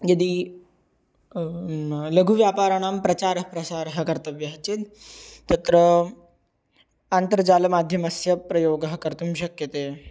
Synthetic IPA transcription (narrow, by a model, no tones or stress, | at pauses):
jɐd̪iː | ləɡʱuʋjapaːɾaɳ̃ampɾɐt͡ɕaɾɦpɾɐsaɾɦəkɐɾt̪əʋjɐɦt͡ɕet̪t̪ːɐt̪ɾə | ant̪əɾd͡ʑaləmad̪ʱjɐmɐsjɐpɾɐjoːɡɦəkəɾt̪umɕɐkjət̪e